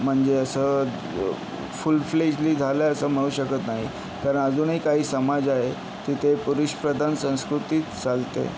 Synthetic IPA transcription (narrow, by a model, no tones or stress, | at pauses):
m̤əɳd͡zeəsəː | fulfled͡ʑliːd͡zʱaləəsəːm̤əɽ̃uːɕəkət̪naɦi | kaɾəɳəd͡zuːnɦiːkaɦiːsəmad͡zaɦe | t̪it̪ʰepuɾuɕpɾəd̪ʱansə̃w̃skɾut̪iːt̪t͡salt̪ḛ